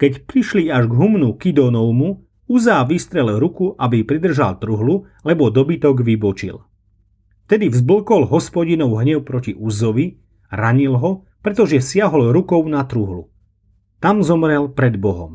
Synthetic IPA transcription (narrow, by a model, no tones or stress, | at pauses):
kɛcpɾiʃliaʒɡɦumnukid̪ɔnɔwmu | uzaːʋist̪ɾɛlɛɾukuʔabipɾid̪r̩ʒa̰lt̪ɾuɦlu | lɛbɔd̪ɔbit̪ɔɡʋibɔt͡ʃḭl | ft̪ɛd̪ivzbl̩kɔlɦɔspɔɟinɔʊɦɲɛʊpɾɔciʔuzɔʋi | ɾaɲilɦɔ | pɾɛt̪ɔʒɛsɪaɦɔlɾukɔʊnat̪ɾuɦlṵ | t̪amzɔmɾɛlpɾɛd̪bɔɦɔ̰m